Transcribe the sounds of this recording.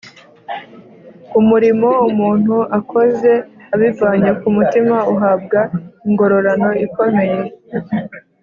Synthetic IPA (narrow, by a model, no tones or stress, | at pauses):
kumuɾimo̞umuːn̥huʔakʰo̞ze̞aβivaːɲekumutimauɦab̚ɡaiŋɡo̞ɾo̞ɾano̞iko̞me̞je